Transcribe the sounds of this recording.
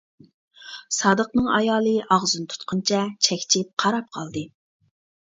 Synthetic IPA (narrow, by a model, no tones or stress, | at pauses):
sɑːd̪əqnɨŋɑjɑːlˠɨʔɑʁzunt̪ʰu̥t̪qʰənt͡ʃʰɛt͡ʃʰɛkʲt͡ʃʰɪp̚qʰɑɾɑp̚qʰɑlˠd̪ɨ